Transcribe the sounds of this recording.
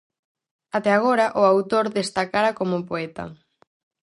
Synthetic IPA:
at̪ɛaɣ̞oɾɐʔʊawt̪oɾðest̪akaɾɐkomʊpoɛt̪ɐ̰

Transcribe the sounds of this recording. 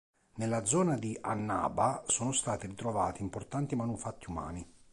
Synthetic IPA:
nelːad̪zɔːnad̪iʔa̰nːa̰ːbasɔːnʊst̪aːt̪irit̪ɾovaːt̪iːmport̪ant̪imanufat̪ːiuma̰ːni

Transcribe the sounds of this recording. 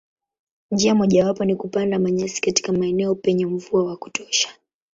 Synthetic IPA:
nd͡ʒiamɔʄawapɔnikupandamaɲasi̥kati̥kamaɛnɛɔpɛɲɛm̩vuawaku̥tʰɔʃḁ

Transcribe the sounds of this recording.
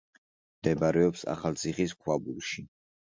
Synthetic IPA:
md̪ɛbaɾɛɔpsa̰χalt̪sʰiχiskʰwabulʃi

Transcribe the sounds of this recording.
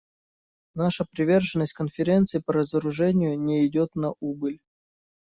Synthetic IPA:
naʂəpɾʲɪvʲe̞rʐɨnːəsʲtʲkənfʲɪɾʲe̞nt̪sɨːpəɾəzəɾʊʐɛnʲɪjʊnʲɪɪdʲot̪nɐʔubɨlʲ

